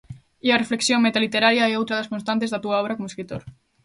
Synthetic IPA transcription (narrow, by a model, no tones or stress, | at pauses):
iɐrefleksjõŋmet̪alit̪eɾaɾjaɛowt̪ɾaðɐskonst̪ãnt̪ezðat̪uaɔβɾakomoeskɾit̪o̰ɾ